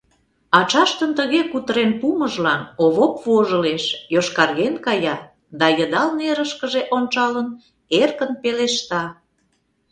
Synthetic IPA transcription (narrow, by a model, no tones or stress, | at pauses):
ɑt͡ʃɑʃt̪ənt̪əɣekut̪əɾenpuməʒlɑnoβopvoʒəleʃjoʃkɑrɣenkɑjɑ | d̪ɑjəd̪ɑlneɾəʃkəʒeʔont͡ʃɑlən | erkənpeleʃt̪ɑ